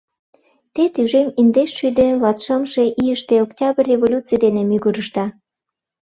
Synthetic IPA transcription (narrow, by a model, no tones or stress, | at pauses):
t̪et̪yʒemind̪eʃʃyd̪ĕlɑt̪ʃəmʃe̽ʔiəʃt̪eoktʲɑbərʲːevolʲut͡sijd̪enemyɣuɾəʃt̪ɑ